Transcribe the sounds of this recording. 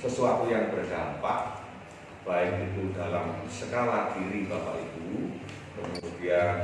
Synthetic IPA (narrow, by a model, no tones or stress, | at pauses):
səsuat̪ujaŋbərdampa̰ʔ | b̥aɪkit̪udalamsəkalakiɾibapa̰ʔit̪u | kəmudian